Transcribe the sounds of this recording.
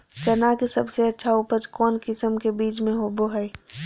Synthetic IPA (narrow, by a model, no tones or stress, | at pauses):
t͡ʃɐnakisɐbseɐtːʃʰaupəd͡ʒkɔːnkɪsəmkebiːt͡ʃmẽɦoboɦɛe